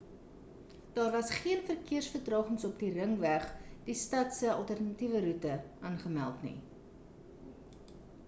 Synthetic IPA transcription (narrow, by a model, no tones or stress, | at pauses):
d̥ɑːrvɐsχiənfərkiərsfərtrɑːχəŋsɔpdirəŋvæχd̥istɐtsəɐlˠtærnɐtivəɾutəʔɑːnχəmælˠtnḭ